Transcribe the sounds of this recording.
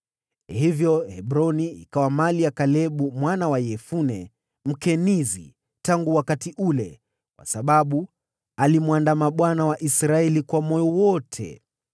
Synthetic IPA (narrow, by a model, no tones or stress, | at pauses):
hivjɔhɛbɾɔniḭkawamaliakalɛɓumwanawajɛfunɛ | m̩kɛnizḭ | taŋɡuwakatiʔulɛ̰ | kwʔa̰saɓaɓu | alimwandamaɓwanawaʔisɾaɛlikwamɔjɔwɔtʰɛ̰